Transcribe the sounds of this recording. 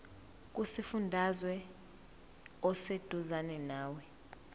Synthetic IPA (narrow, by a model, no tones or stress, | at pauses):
k̬ʼusifundʱazwɛ | ɔsed̥ʱuzanɛnaːwɛ